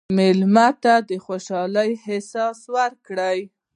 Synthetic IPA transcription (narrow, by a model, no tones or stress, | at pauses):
mɪlmat̪ad̪əxoʃɑləjhɪsɑswaɾkɽəj